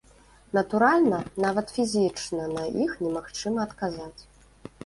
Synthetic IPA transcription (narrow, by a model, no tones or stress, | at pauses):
nɐt̪uɾalʲnɐnavɐt̪fʲizʲit͡ʂnɐnɐixnʲɛmaxt͡ʂɨmɐːt̪kazat͡sʲ